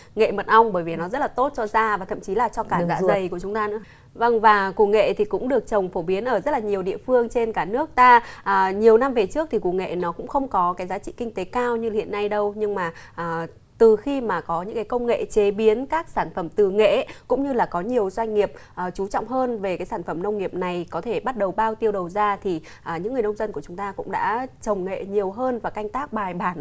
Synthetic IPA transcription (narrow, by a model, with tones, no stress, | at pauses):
ŋḛ˧˨mə˨˩t̚ʔa˧wŋ͡mɓəː˧˩jvi˨˩nɔ˨˦zə˦˥t̚laː˨˩t̪o˦˥t̚t͡ɕɔ˧zaː˧vaː˨˩t̪ʰə̰˧˨mt͡ɕi˨˦laː˨˩t͡ɕɔ˧kaː˧˩za̰ː˧˥zə˨˩jku˧˩ət͡ɕʊ˨˦ŋ͡mt̪aː˧nɨ̰˧˥ə | və˧ŋvaː˨˩ku˧˩ŋḛ˧˨t̪ʰi˨˩kʊ̰˧˥ŋ͡mɗɨ˨˩ək̚t͡ɕə˨˩wŋ͡mfo˧˩ɓi˨˦ənʔəː˧˩zə˦˥t̚laː˨˩ɲi˨˩əwɗḭ˧˨əfɨ˧əŋt͡ɕe˧nkaː˧˩nɨ˦˥ək̚t̪aː˧ʔːɲi˨˩əwna˧mve˨˩t͡ɕɨ˦˥ək̚t̪ʰi˨˩ku˧˩ŋḛ˧˨nɔ˨˦kʊ̰˧˥ŋ͡mxə˧wŋ͡mkɔ˨˦kaː˨˦jzaː˨˦t͡ɕḭ˧˨kï˧ŋ̟t̪e˨˦kaː˧wɲɨ˧hḭ˧˨ənːa˧jɗə˧wɲɨ˧ŋmaː˨˩ʔː | t̪ɨ˨˩xi˧maː˨˩kɔ˨˦ɲɨ̰˧˥kaː˨˦jkə˧wŋ͡mŋḛ˧˨t͡ɕe˨˦ɓi˨˦ənkaː˦˥k̚saː˧˩nfə˧˩mt̪ɨ˨˩ŋḛ˧˨kʊ̰˧˥ŋ͡mɲɨ˧laː˨˩kɔ˨˦ɲi˨˩əwzwa˧ŋ̟ŋi˨˩əp̚ʔəː˨˩t͡ɕu˨˦t͡ɕɔ̰˧˨wŋ͡mɦəː˧nve˨˩kaː˨˦jsaː˧˩nfə˧˩mnə˧wŋ͡mŋi˨˩əp̚na˨˩jkɔ˨˦t̪ʰe˧˩ɓa˦˥t̚ɗə˨˩wɓaː˧wt̪i˧əwɗə˨˩wzaː˧t̪ʰi˨˩ | ʔaː˨˩ɲɨ̰˧˥ŋːɨ˨˩əjnə˧wŋ͡mzə˧nku˧˩ət͡ɕʊ˨˦ŋ͡mt̪aː˧kʊ̰˧˥ŋ͡mɗa̰ː˧˥t͡ɕə˨˩wŋ͡mŋḛ˧˨ɲi˨˩əwɦəː˧nvaː˨˩ka˧jŋ̟t̪aː˦˥k̚ɓaː˨˩jɓaː˧˩n